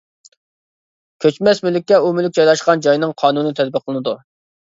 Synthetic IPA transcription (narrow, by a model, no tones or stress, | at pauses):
kʲʰøt͡ʃmɛsmylɪk̚ʲːɛumylɪkʲd͡ʒɑjlˠɑʃqɑnd͡ʒɑjnɨŋqʰɑːnunɨt̪ʰɛd̪̚bɪqʰːlˠɨnɨd̪u